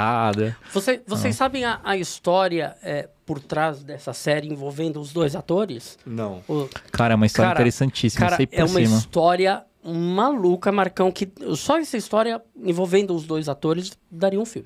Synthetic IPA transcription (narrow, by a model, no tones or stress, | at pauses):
ad̪ɐvosevosejsːabẽj̃ɐʔɐist̪ɔɾiɐɛpoɾt̪ɾazd̪ɛsɐsɛɾɪẽvowvẽnd̪ʊːzd̪ojzat̪oɾɪsnɐ̃w̃ʊkʰaɾɐɛũmɐist̪kɔɾɐãiɾɐeɾesɐ̃nt͡ʃisikmaɐasɾɐejɛumɐiimɐst̪ɔɾiɐ | malukɐmaɾkɐ̃w̃kɪsɔɛsɐist̪ɔɾiɐẽvowvẽnd̪ʊːzd̪ojzat̪oɾɪzd̪aɾiɐũfiwmɪɪ